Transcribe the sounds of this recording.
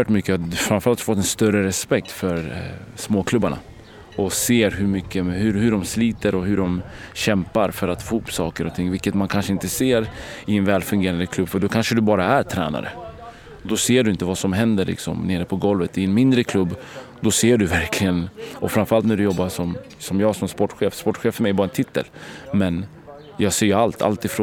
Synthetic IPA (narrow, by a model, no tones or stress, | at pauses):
ɛːʈmʏkːəfɾanfœɾalt̪fɔt̪ːɛnst̪œɾəɾɛspɛk̚t̪fœɾsmoːkʰlɵbːaɳa̰ | ɔseːɾɦɵɾmʏkʰːəhɵhɵɖɔmsliːt̪əɾɔɦʉɖɔmɕɛmpaɾfœɾat̪fohuːpsɑːkəɾɔt̪ʰɪŋːvɪlkːət̪mankʰanʂəɪnt̪əseːɾɪɛnvɛːlfɵŋɡeːɾand̪əkʰlɵbːfœɖɔkʰanʂəd̪ɵbɑːɾaæɾt̪ʰɾɛ̰ːna̰ɾə̰ | d̪ɔseːɖɵɪnt̪əvasɔmɦɛnd̪əɾɭɪ̰ksɔ̰mneːɾəpʰɔɡɔlvət̪ɪɛnmɪnd̪ɾəkʰlɵbː | d̪ɔseːɖɵvæɾkʰlɪɡənɔfɾanfœɾalt̪næɖɵjɔbːasɔm | sɔmjɑːɡsɔmspɔʈːɧeːfspɔʈːɧeːfœɾmɛjɛbɑːɾaɛnt̪ʰɪt̪ʰːə̰lmɛn | jɑːɡseːɾjɵalt̪ʰa̰lt̪ɪfɾ